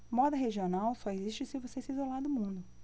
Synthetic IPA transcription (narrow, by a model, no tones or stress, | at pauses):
mɔd̪ɐɦeʒionawsɔeziʃt͡ʃɪsɪvosesɪiizolaɾd̪ʊmũnd̪ʊ